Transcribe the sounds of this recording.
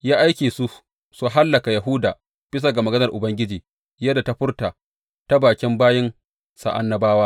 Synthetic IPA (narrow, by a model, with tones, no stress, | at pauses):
jaː˦ʔa˦jkʲeː˨su˦ | su˨ɦa˦lːɐ˨ka˨ja˨ɦʊ˦daː˨ | b̥ɪ˦s̬a˨ɡa˨mɐ˨ɡɐ˦nɐ˨rʔʊ˨bɐ˦ŋɡʲɪ˦d͡ʒiː˨ | jɐ˦da˨ta˦ɸʊ˦rtaː˨ | ta˦baː˨kʲɪ˦mbaː˦jɪ˦n | sa̰˨ʔa̰˦nːɐ˦baː˦waː˦